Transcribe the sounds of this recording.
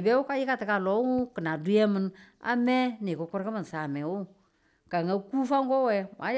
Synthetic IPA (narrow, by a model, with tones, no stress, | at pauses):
be˦wu˦ka˦ji˦ka˦ti˨ka˨lɔ˨˦ŋu˦kə˨na˨du˦je˦mɨ˨na̰˦me˦ni˨ku˨ku˦ɾkə˦mə˨n˨sa˨mɛ˨wu˦ | ka˨ŋa˦ku˦fa˦ŋkɔ˦we˨mʔa̰˨˦